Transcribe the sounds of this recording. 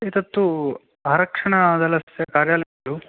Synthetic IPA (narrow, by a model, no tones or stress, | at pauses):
it̪ɐt̪ːu | aːɾɐkʂɐɳɐd̪ɐlɐsjɐkaːɾjaːlɐjɡɐɭu